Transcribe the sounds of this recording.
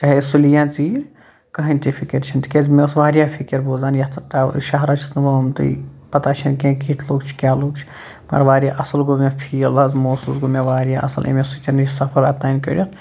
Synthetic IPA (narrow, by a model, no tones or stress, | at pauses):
t͡ʃaɦesulijãːt͡siːɾ | kɐɦɐnʲt̪ipʰikiɾt͡ʃʰint̪ikʲezmesʋaːɾjaːfʰikiɾboːzaːnjɐt̪ɐt̪aʃɐɦɾɐt͡ʃʰi̥t̪nʋomt̪ɨ̰pɐt̪aːt͡ʃʰɐnkẽkit̪ʰloːɡt͡ʃʰi̥kʲaːluːɡ̚t͡ʃʰi̥ | mɐ̰ɾʋaːɾʲjaʔɐsɐlɡomãpʰiːlɐzmoːsuːsɡomẽʋaːɾjaʔɐ̰sɐ̰lʔḛmesut͡ʃɐnit͡ʃʰsɐpʰɐɾɐt̪aːnkɐ̰ɾʲil